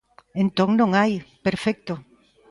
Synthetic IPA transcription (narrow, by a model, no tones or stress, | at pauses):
ẽnt̪õŋnõŋajpeɾfɛk̚t̪o